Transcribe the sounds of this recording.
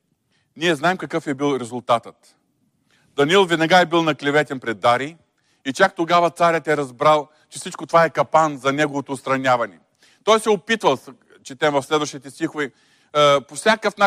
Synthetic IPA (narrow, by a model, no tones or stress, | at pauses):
niɛznaɛmkɐkɤfɛbilˠɾɛzʊlˠt̪at̪ət̪ | d̪̥ɐnilˠvɛd̪nɐɡaɛbilˠnɐklʲɛvɛt̪ʲɛnpɾɛd̪ːaɾi | it͡ʃak̚t̪oɡavɐt̪saɾʲət̪ɛɾɐzbɾalˠ | t͡ʃɛ̥sit͡ʃkot̪ovaɛkɐpanzɐnɛɡovot̪oːt̪st̪ɾɐnʲjavɐnɛ | t̪ɔjsɛopit̪vɐlˠs | t͡ʃɛt̪ɛmvɐfslɛd̪vɐʃt̪it̪ɛst̪ʲixovi | pofsʲjakəfna